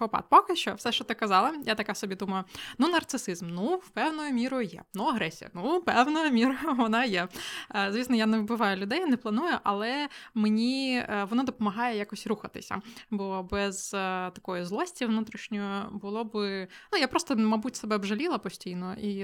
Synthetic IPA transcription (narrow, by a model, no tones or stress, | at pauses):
ɔpɑ̰t̪̚pɔkɪʃt͡ʃɔ̰fsɛʃt͡ʃɔt̪ɪkɐzɑlˠɐjat̪ɐkasɔbʲid̪umɐjʊnunɐrt̪sɨsɪzmnuwpɛwnʊjʊmʲiɾɔjʊjɛ̰nuɐɦɾɛsʲijɐ̰nupɛwnʊjʊmʲiɾɔʊʋɔnɑjɛzʋʲisnɔjanewbɪʋɑjʊlʲʊd̪ɛjnɛplˠɐnujʊʔɐlˠɛmenʲiʋɔnɔd̪ɔpɔmɐɦɑjɛjakɔsʲɾuxɐt̪ɪ̰sʲɐ̰bɔbɛz̥t̪ɐkɔjʊzlˠɔsʲtʲiʋnut̪ɾʲiʃnʲɔjɔbʊlˠɔbɪnujapɾɔst̪ɔmɐbutʲsebɛbʒɐlʲilˠɐpɔsʲtʲijnɔi